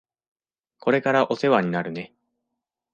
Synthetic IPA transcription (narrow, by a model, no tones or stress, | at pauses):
ko̞ɾe̞kaɾaʔo̞se̞βaɲ̟inaɾɯ̟ne̞